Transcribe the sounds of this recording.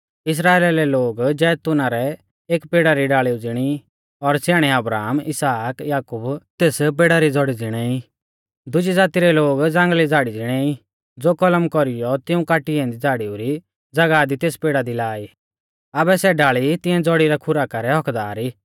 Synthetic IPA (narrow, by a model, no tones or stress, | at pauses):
ɪs̬ɾaːeːlelɛloːɡd͡ʒɛːt̪ʊnaɾɛ | eːkpeːɽaɾiɖaːɭiud͡zɪɽ̃i | ɔɾsɛːɽ̃ɛɐbɾaːmɪsaːkjaːkʊbt̪eːsp̬eːɽaɾid͡zɔɽid͡zɪɽ̃ɛi | d̪ʊd͡ʒid͡zaːt̪iɾɛloːɡd͡zãːŋɡlid͡zʱaːɽid͡zɪɽ̃ɛi | d͡zoːkɔləmkɔɾijɔt̪ɪũkaːʈiɛ̃ːnd̪id͡zaːɽiuɾi | d͡zɐɡad̪it̪eːspeːɽad̪ilaːiː | ɐbɛsɛɖaːɭit̪ɪ̃ɛ̃d͡zɔɽiɾɛkʰʊɾakɐɾɛɦɔkd̪aːɾiː